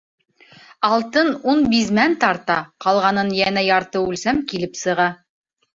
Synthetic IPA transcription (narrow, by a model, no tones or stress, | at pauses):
ɑlˠt̪ɤnunbizmænt̪ɑɾt̪ɑqɑlˠʁɑnɤnjænæjɑɾt̪ɤʉlsæmkilɘpsɤ̆ʁɑ